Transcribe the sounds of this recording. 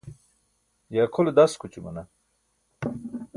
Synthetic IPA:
jaːkʰoled̪askut͡ɕumɐ̰nɐ

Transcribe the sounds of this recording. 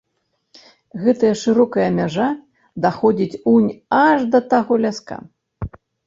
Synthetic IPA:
ɣɛt̪ɐjɐʂɨɾɔkɐjɐːmʲaʐa | d̪axɔd͡zʲit͡sʲunʲaʐd̪ɐt̪aɣɔlʲaska̰

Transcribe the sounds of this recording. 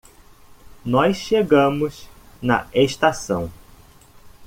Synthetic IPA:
nɔsʃeɡɐ̃mʊsnɐ̰eʃt̪asɐ̃w̃

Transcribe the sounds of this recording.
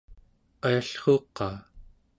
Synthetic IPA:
ajaɬχoːqːɑː

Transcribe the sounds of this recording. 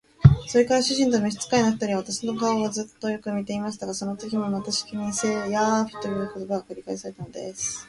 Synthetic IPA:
so̞ɾe̞kaɾaɕɨʑĩnt̪omoɕi̥t͡sɨ̥kaenoɸi̥t̪aɾʲiaβat̪aɕi̥no̞kaoɡazɨt̪ːo̞jo̞kɯ̟mʲit̪e̞imaɕ̬i̥t̪aɡaso̞no̞t̪o̞kʲimo̞mat̪aɕi̥kʲimʲise̞ːjaɸi̥t̪ːojɯːko̞t̪o̞baɡakɯ̟ɾʲikaesaɾe̞t̪anod̪e̞̰sɨ̥

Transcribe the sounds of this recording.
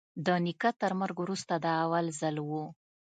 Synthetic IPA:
d̪ənikat̪əɾmaɾɡwɾust̪ad̪əawalzalwu

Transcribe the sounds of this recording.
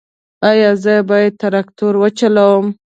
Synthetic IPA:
ɑjɑzəbɑjad̪̚t̪aɾakt̪uɾwət͡ʃalawəm

